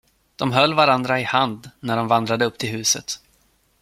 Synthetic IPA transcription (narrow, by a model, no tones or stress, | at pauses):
d̪̥ɔmɦœlːvaɾand̪ɾaɪhand̪næɖɔmvand̪ɾad̪əɵpːt̪ʰɪlɦʉ̟ːsə̰t̪